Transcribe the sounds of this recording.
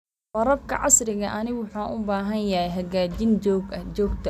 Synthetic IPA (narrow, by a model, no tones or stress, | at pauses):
wɐɾɐbkʰɐ̰ʕɑsrɪɣɐʔɐnɪɣwʊħuːʔʊbaːɦɐnjɐɦɛjɦɐɣaːd͡ʒɪnd͡ʒɔːɡɐd͡ʒɔːɡt̪ʰɐ